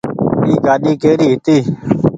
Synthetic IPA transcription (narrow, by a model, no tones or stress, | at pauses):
iːɡaːɗiːkeːɾiːɦɪt̪iː